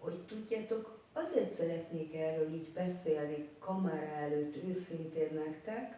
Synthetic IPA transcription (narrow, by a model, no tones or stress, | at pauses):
ho̞ct̪uɟːaːt̪o̞k | ɒzeːrt̪sɛɾɛt̪neːkɛrːøːliːɟbɛseːlnikɒmaːɾaɛløːt̪ːøːsint̪eːnːɛkt̪ɛk